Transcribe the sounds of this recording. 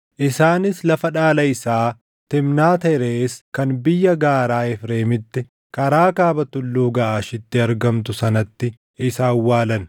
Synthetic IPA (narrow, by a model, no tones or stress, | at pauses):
ʔɪsaːnɪslɐfɐᶑaːlɐɪsaː | t̪ɪmnaːt̪ɐɾeːskɐnbɪjːɐɡaːɾaːɛfɾeːmɪt̪ːɪ | kɐɾaːkaːbɐt̪ʊlːuːɡɐʔaːʃɪt̪ːɪɐɾɡɐmt̪ʊsɐnɐt̪ːɪ | ɪsaːwːaːlɐn